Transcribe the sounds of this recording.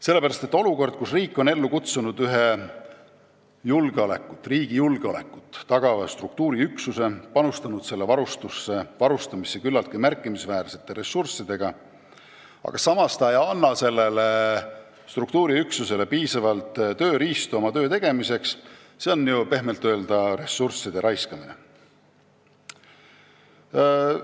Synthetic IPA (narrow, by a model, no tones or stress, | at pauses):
se̞lːe̞pæɾɑst̪e̞t̪ːˑo̞luko̞rd̪̥̚kusriːkːˑo̞ne̞lːukut̪sunud̪yɦe | julɡ̥eole̞̰kːˑu̥t̪ːriːɡ̥ijulɡ̥eo̞le̞kːˑu̥t̪ːɑɡ̥ɑvɑst̪rukt̪uːɾiyksuse̞pɑnust̪ɑnud̪̥se̞lːevɑɾust̪usːe̞vɑɾust̪ɑmisːekylːɑlt̪̚kimærkˑːimisvæːɾse̞̥t̪ːˑe̞ɾe̞sːursːid̪̥e̞ɡ̥ɑ | ɑ̰ɡ̥ɑsɑmɑst̪ɑejɑnːɑse̞lːe̞le | st̪ruk̚t̪uːɾiyksuse̞le̞piːsɑvɑlt̪ˑt̪ø̞ːɾiːst̪uɑmɑt̪ø̞ːt̪e̞ɡ̥e̞mise̞ks | se̞o̞nːjupe̞ɦme̞lt̪ːø̞ːld̪̥ɑre̞sːursːid̪̥e̞ɾʔɑjskɑminḛ